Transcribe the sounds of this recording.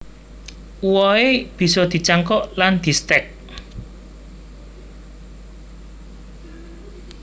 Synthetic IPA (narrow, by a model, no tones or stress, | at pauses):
uwɔeb̥i̤sɔd̪̥i̤t͡ʃaŋkɔʔland̪̥i̤st̪ɛk̚